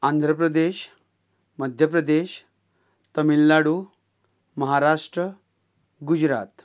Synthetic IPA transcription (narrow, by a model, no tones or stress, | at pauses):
and̪ʱɾəpɾəd̪eɕ | məd̪ʱjəpɾəd̪eɕ | t̪əmilːaɽu | məɦaɾaʂʈɾə | ɡud͡ʑɾa̰t̪